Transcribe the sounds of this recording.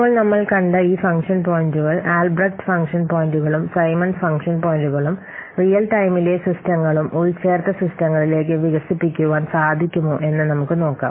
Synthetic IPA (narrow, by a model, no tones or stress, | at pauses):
ipoːɭnɐmːɐɭkɐɳɖɐiːfɐŋkʂɐnpoːjnduɣɐɭaːlbɾɐk̚ʈfɐŋkʂɐnpoːjnduɣɐɭumsɐjmɐnfɐŋkʂɐnpoːjnduɣɐɭum | rijɐlʈɐjmilesistɐŋːɐɭumuɾit͡ɕe̞ːrt̪ːɐsistɐŋːɐɭile̞ːk̬ːɨʋiɣɐsipːikʲːuʋaːnsaːd̪ʱikʲːumoːʔe̞nːɨnɐmukːɨno̞ːkːa̰ː